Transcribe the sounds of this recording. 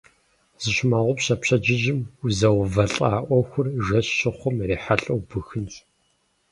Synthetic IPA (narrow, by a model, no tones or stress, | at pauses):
z̥ɨɕmaːʁʷʊpɕɐpɕɐd͡ʒɪʒɪmuzɐwvɐɬʼaːʔʷɔxʷʊrʒɐɕːɪχʷʊmreːħaɬʼɐwbɨxɨnt